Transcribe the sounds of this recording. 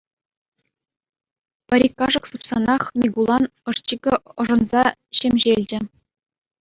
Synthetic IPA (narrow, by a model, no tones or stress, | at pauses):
pɘ̆ɾʲikːɑʐɤ̆ksɯpsɑnɑχmʲiɡulˠɑnɤ̆ʂt͡ɕikʲɘ̆ɤ̆ʐɤ̆nzɑɕemʲʑelʲd͡ʑɘ̆